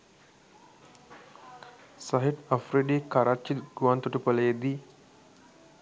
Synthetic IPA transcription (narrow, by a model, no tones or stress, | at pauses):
saɦiʈafɾiɗikaɾat͡ʃːiɡuwant̪uʈupəled̪i